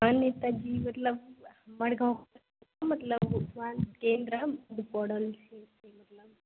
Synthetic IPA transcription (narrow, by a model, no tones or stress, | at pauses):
anːet̪ad͡ʒimɐt̪lɐb̚mɐɽɡʱawks | t̪amɐt̪lɐbutʋaːnkeːnd̪ɾɐd̪ipɔɽɐlseːt̪emɐt̪lɐb